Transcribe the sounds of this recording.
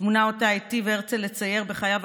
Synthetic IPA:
munao̞tajtiveeʁt͡sele̞t͡saje̞ʁbeχajav

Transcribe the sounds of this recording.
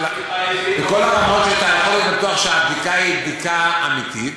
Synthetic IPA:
beko̞laʁamo̞t̪ʃet̪aːlaχlinat̪uaχʃeab̚d̪ikaib̚d̪ikaamit̪it

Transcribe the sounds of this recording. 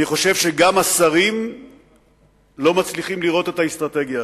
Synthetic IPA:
niχo̞ʃe̞vʃe̞ɡamasaʁim | lo̞mat͡sliχimliʁo̞t̪e̞taist̪ʁat̪e̞ɡja

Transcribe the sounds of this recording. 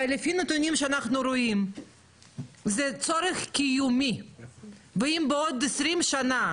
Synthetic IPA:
lefinet̪unʲimʃeanaχnuɾoim | zɛt͡soɾeχkʲijumi | veimbeod̪̚esɾimʃana

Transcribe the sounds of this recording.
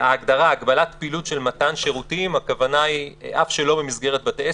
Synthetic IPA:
aːɡd̪aʁaːɡbalat̪pilutʃe̞lmatanʃeʁutimakavanaiʔafʃelo̞bemizɡe̞ʁet̪̚bat̪ee

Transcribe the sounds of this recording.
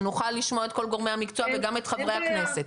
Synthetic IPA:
nuχalːiʃmoe̞t̪̚ko̞lɡo̞ʁmejhamikt͡soaveɡame̞t̪χavʁejhakne̞se̞t̪

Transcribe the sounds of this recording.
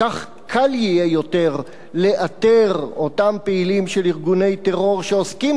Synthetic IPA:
kaχ | kʰaljijejo̞teʁ | le̞ʔateʁo̞tampeilimʃeliʁɡune̞jteʁo̞ʁʃeoskim

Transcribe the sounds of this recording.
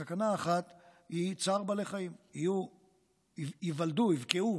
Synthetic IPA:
akanaːχat̪hit͡saʁbaleχaimiju | ivald̪uivkeu

